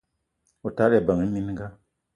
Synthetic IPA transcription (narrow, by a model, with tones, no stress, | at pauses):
o˨ta˦ɾba˨ŋɨ˦mi˦ni˦ɡa˦